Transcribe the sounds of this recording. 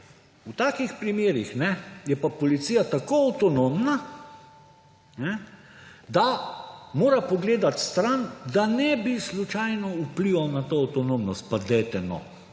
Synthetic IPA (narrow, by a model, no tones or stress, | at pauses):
ut̪aːkixpɾimeːɾixnɛjɛpapɔlit̪sijat̪akoawt̪ɔnomna | nɛ | d̪amoːɾapɔɡleːd̪at̪st̪ɾand̪anɛbislut͡ʃajnɔupliʋawnat̪oawt̪ɔnomnɔst̪̚pad̪ɛt̪ɛnɔ̰